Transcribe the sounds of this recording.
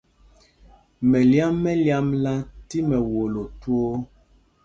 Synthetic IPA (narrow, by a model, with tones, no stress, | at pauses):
mɛ˨lja˦mːɛ˦lja˦mla˦ti˦mɛ˨wo˨lo˨two˦